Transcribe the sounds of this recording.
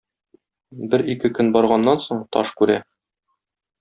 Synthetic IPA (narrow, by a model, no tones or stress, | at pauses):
bɘɾikɘkɵnbɒɾʁɑnːɑnsoɴt̪ɒ̰ʃkʉɾæ